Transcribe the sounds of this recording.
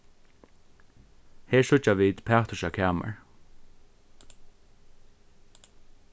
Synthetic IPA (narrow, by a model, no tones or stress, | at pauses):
hɛːɹsʊt͡ʃaʋiːd̪pʰæːt̪ʊʃakʰæːmə̰ɹ